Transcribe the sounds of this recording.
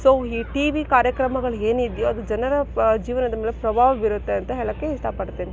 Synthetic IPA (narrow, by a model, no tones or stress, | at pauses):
soːiːʈiːʋikaːɾjɐkɾɐmɐɡɐɭueːnid̪joɐd̪ud͡ʒɐnɐɾɐd͡ʒiːʋɐnɐd̪ɐmeːlepɾɐbʱaːʋɐʋiɾut̪ːe̞ɐnt̪ɐɦɛɭɐkːeisʈ̪ʰaːpɐɽt̪iːni